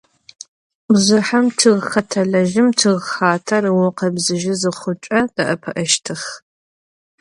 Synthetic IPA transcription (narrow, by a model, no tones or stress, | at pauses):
bzɨħɐmtʰɨʁxɐtʰɐɮɐʒɪmtʰɨʁxaːtʰɐrɨwɔqɐbzɨʒɪzɨχʷʊt͡ʃʷʼɐd̥ɐʔɐpʰɐʔɐʃtʰɨx